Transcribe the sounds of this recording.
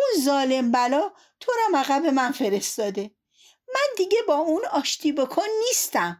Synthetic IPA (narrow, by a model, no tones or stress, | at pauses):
unzɒːle̞mbælɒː | t̪ʰoɾɒmæɣæbe̞mænfe̞ɾe̞st̪ɒːd̪e̞ | mænd̪iɟe̞bɒːunɒːʃt̪ʰiːbokʰɔnːiːst̪æm